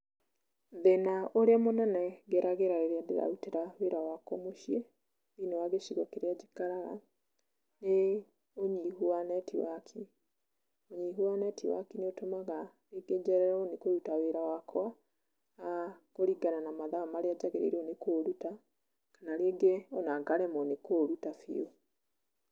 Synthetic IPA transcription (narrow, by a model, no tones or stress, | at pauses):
ðenaoɾeamonɛnɛɣɛɾaɣeɾaɾeɾeadḛɾa̰uteɾaweɾawakɔmoʃje | inewaɣeʃiɣwɔkeɾead͡ʑikaɾaɣa̰ | ne | oɲiɦuanɛtiwakʰi | oɲiɦuanɛtiwa̰kineotomaɣa | ɾeɡed͡ʒɛɾɛɾɔnekoɾutaweɾawakwaː | koɾiɡananamaðaamaɾead͡ʑaɣeɾḛɾiɔnekoːɾuta | kanaɾeeɡeɔnaɡaɾemɔnekoɾutafḭo